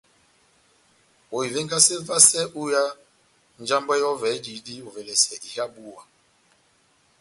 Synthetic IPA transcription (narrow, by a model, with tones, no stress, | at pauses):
o˨i˨ve˦ŋ˦ɡa˦se˦va˦sɛ˦ʔu˦ja˦ | n˦d͡ʒa˦mba˦jɔ˦vɛ˨˦d͡ʒi˨˦di˦o˨vɛ˨lɛ˨sɛ˨ʔi˨ha˦bu˦˨wa˨